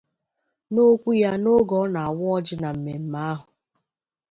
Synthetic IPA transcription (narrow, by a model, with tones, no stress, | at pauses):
no˦kʷu˦ja˦no˦ɡɔ˦na˨a˨wʊ˦ɔ˦d͡ʒɪ˦na˨m̩˨me˨m̩˨ma˦ɦʊ˨